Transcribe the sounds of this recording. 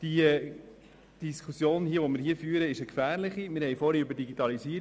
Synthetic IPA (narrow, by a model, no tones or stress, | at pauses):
d̥i | d̥iskʰusjoːnhiəʋomɪːɾhiəfyːɾəɪʃəkfæːɾlɪχimɪɾhɛjfɔːɾiybəɾdiɡitɑliziː